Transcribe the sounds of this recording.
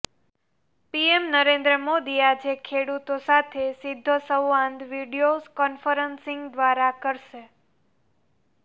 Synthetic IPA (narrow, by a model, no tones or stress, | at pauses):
piemnəɾẽnd̪ɾəmod̪iad͡ʒekʰeɽut̪osat̪ʰesid̪ʱːosəwːãnd̪ʋiɖijozkɔnfəɾənsɪ̃ŋɡd̪ʋaɾakəɾʃe